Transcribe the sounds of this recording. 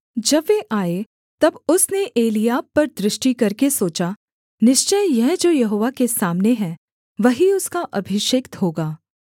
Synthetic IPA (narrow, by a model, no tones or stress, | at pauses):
d͡ʒɐbʋeʔaːe | t̪ɐbʊsneʔeːlijaːpːɐɾd̪ɾɪʃʈikɐɾkesoːt͡ʃa | nɪʃt͡ʃəjjɛɦd͡ʒoːjɐɦoːʋakesaːmneɦɛ̃ː | ʋɐɦiʊskaʔɐbʱɪʃekt̪ɦoːɡaː